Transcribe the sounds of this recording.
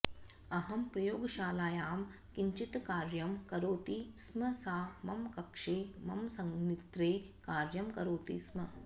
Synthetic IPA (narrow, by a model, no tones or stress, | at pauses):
ɐɦɐmpɾɐjoːɡɐʃaːlaːjaːm | kiɲt͡ʃit̪kaːɾjɐmkɐɾoːt̪ismɐsaːmɐmkɐkʂeːmɐmsɐŋnit̪ɾeː | kaːɾjɐmkɐɾoːt̪ḭsmɐ̰